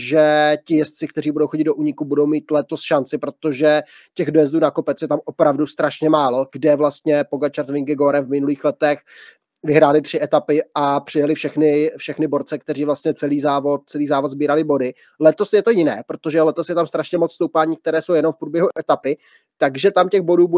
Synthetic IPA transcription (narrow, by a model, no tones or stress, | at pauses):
ʒɛcɪjɛst̪̚t͡sɪk̚t̪ɛriːbudowxoɟɪd̪doʔuːɲɪkubudo̞wmiːt̪lɛt̪o̞sʃant͡sɪpɾo̞t̪oʒɛcɛɣdojɛzduːnako̞pɛt͡sjɛt̪amʔo̞pɾavdust̪ɾaʃɲɛmaːlo̞ɡdɛvlast̪ɲɛpo̞ɡat͡ʃaɾt̪vɪŋɡɪɡoɾɛnvmɪnuliːxlɛt̪ɛx | vɪɦɾaːlɪt̪r̝̥ɪʔɛt̪apɪapr̥ɪjɛlɪfʃɛxnɪfʃɛxnɪbo̞ɾt͡sɛk̚t̪ɛriːvlast̪ɲɛt͡sɛliːzaːvo̞t̪̚t͡sɛliːzaːvot̪zbiːɾalɪbo̞dɪ | lɛt̪o̞sjɛt̪o̞jɪnɛ̰ːpɾot̪o̞ʒɛlɛt̪osjɛt̪amst̪ɾaʃɲɛmot͡sst̪owpaːɲiːk̚t̪ɛɾɛːso̞wjɛno̞mfpɾuːbjɛɦuʔɛt̪apɪ | t̪aɡʒɛt̪amcɛɣbo̞duːb